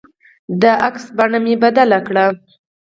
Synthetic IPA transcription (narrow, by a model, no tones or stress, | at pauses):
d̪əʔaksbaɳamebad̪alakɽa